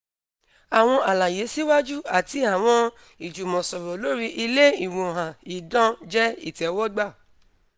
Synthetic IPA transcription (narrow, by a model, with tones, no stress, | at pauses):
a˨w̃ɔ̃˧ʔa˨la˨je˨˦si˦wa˦d͡ʒu˦a˦˨ti˧˦a˨w̃ɔ̃˧ | i˨d͡ʒu˨mɔ̃˨sɔ˨ɾɔ˨lo˨˦ɾi˧ʔi˧le˦i˦˨wũ˨ɦã˨i˨˦dɔ̃˦d͡ʒɛ˦ḭ˦˨tɛ˨˦wɔ˦ɡ͡ba˦˨